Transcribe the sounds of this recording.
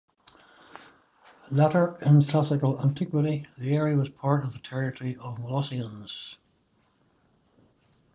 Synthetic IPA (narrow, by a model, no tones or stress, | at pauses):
laɾə˞ɪ̃nkʰl̥asɪkəlˠãntʰɪkwɪɾiðiɛɹiəwɔz̥pʰaɹtəvðətʰɛɹɪtəɹiʔəvməlɔsiə̃nz̥